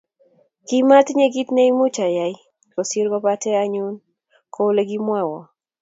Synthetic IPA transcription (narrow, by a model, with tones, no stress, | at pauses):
ki˦ma˦tɲe˦ɡi˦tne˦i˦mʊ˦t͡ʃa˨ja˨i˦ | ko˨siɾɡɔ˦patɛ˦aɲu˦n | kʰo˦le˦ɡi˦mwa˦wɔ˨